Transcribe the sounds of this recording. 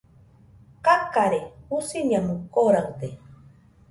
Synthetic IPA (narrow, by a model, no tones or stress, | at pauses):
kakaɾeusiɲamukoɾawd̪e